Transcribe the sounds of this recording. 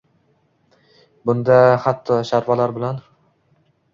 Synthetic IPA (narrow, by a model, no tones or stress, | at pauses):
bʊnd̪aχat̪ʰːɒʃaɾvalaɾbɪlan